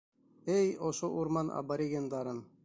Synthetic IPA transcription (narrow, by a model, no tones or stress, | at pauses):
æjoʃoʔuɾmɑnʔa̰bɐɾʲeɡend̪ɑɾɤn